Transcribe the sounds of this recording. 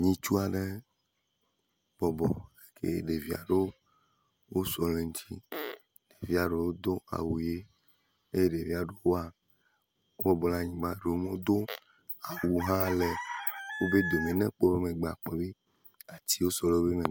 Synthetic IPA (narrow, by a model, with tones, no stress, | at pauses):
ɲĩ˦t͡ʃu˦a˨ɖe˦ | b̥ɔ˨bɔ˨e˦kʰḛ˦ɖe˨vi˨a̰˨ɖo˦ | wo˦sɔ˨lẽ˨ŋ̩˦t͡ɕi˦ | ɖ̥e˨vi˨˦a˨ɖo˨wo˦d̪o˦a̰˨wu˨je˦ | e˦je˦ɖe˨vi˦a˨ɖo˦wo˦a˨ | wo˦bɔ˦bɔ˨lã˦ɲĩ˨ɡ͡ba˦ɖe˨wo˦me˦o˦d̪o˦ | a˨wu˨ɦã˦le˨wo˦be˦d̪o˨mẽ˨nɛ̃˦k͡po˦be˦mẽ˨ɡ͡ba̰˨k͡pɔ˨be˦ | a˨t͡ɕi˦wo˦sɔ˦le˦wo˦βe˦me˨